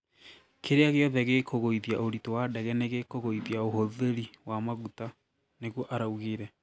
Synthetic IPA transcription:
kʰeɾeaɣeɔðɛɣekʰoɣoiðijaoɾitowadɛɣɛneɣekoɣoiðiaoɦoðeɾiwamaɣuta | neɣwɔʔaɾauɣeɾɛ

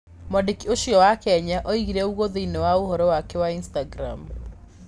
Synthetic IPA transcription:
mɔdikioʃiɔwakɛɲaʔɔiɣiɾɛuɣoðeinewaohɔɾɔwakɛwainstaɡɾam

